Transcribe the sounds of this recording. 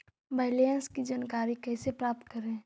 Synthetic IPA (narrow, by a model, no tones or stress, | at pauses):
baːlijənskid͡ʒaːnkaːɾikɛːsepɾaːp̚t̪̚kəɾẽː